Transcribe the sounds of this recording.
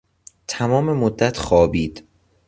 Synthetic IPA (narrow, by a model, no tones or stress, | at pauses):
t̪ʰæmɒːme̞mod̪ːæt̪ʰxɒːbiːd̪̥